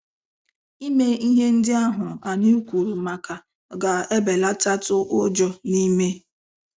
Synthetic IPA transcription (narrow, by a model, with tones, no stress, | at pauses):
i˦me˦i˦ɦe˦n̩˦dɪ˦a˦ɦʊ˨a˨ni˦u˦kʷu˨ɾu˨ma˨ka˨ | ɡa˨e˦be˨la˦ta˦tʊ˦ʔʊ˦d͡ʒɔ˦ni˦me˦